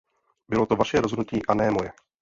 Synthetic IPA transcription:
bɪlot̪o̞vaʃɛɾozɦodnuciːʔanɛːmojɛ

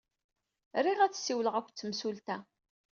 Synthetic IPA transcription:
ɾiʁæt͡sːsːiwləʁækʷːt͡sːəmsult̪æ

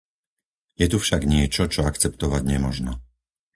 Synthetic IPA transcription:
jɛt̪ufʃaɡɲɪɛt͡ʃɔt͡ʃɔakt͡sɛpt̪ɔʋaɟɲɛmɔʒnɔ

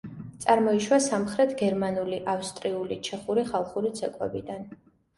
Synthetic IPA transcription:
t̪sʼaɾmɔiʃwasamχɾɛt̪ʰɡɛɾmanuliʔafst̪ʼɾiulit͡ʃʰɛχuɾiχalˠχuɾit̪sʰɛkʼwɛ̰bid̪an

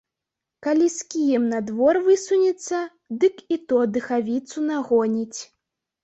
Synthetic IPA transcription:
kalʲiskʲijɛmnad̪vɔrvɨsunʲɛt̪sːɐ | d̪ɨkit̪ɔd̪ɨxavʲit̪sunaɣɔnʲit͡sʲ

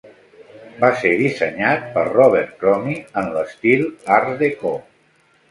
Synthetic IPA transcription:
baseðisəɲat̪̚pəɾrɔβ̞ɛɾt̪̚kɾɔmiənləst̪ilˠaɾðekɔ

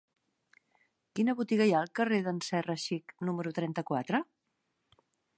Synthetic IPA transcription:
kinəβut̪iɣəjaəlˠkəreðənsɛrəʃiknuməɾut̪ɾɛnt̪əkwat̪ɾə

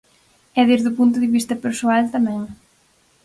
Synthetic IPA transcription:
ɛðeɾðupunt̪ʊðɪβist̪ɐpeɾsoalt̪ɐmɛ̃ŋ

